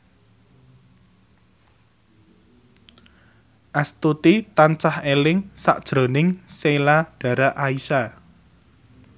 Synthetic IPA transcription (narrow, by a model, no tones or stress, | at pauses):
ʔast̪ut̪it̪ant͡ʃahelɪŋsa̰ʔd̥ʒ̥ɾo̤nɪŋselaɖ̥a̤ɾaʔaisa